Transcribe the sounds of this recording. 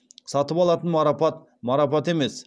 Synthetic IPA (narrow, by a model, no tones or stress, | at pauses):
sɑt̪əpɑlˠɑt̪ənmɑɾɑpɑt̪ | mɑɾɑpɑt̪e̞me̞s